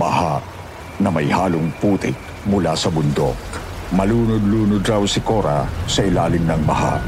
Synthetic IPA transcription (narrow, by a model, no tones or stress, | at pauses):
bɐhaʔ | nɐmɐjhaːlʊŋpuːt̪ɪk̚ | mʊlasɐbʊnd̪o̰k̚mɐluːnʊd̪luːnʊd̪ɾawsɪkoɾa̰sɐʔɪlaːlɪŋnɐŋbɐ̰ha̰ʔ